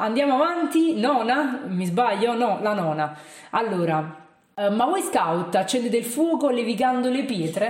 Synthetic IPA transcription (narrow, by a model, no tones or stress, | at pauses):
and̪jaːmoavant̪inɔːnamizbaʎːonɔlanɔːna | alːoːɾa | mavɔjskawt̪ːat͡ʃːɛnd̪et̪eilfwɔːkolevikand̪olepjɛːt̪ɾe